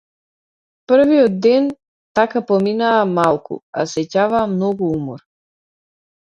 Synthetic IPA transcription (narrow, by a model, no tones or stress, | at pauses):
pr̩viɔd̪d̪ɛn | t̪akapɔminaːmalˠkṵa̰sɛcavaːmnɔɡuumɔɾ